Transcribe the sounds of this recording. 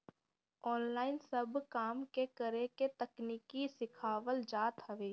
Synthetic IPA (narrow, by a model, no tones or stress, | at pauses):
ɔːnlaːɪnsəbkaːmkekəɾeket̪əkniːkisɪkʰaːʋəld͡ʒaːt̪ɦɐʋeː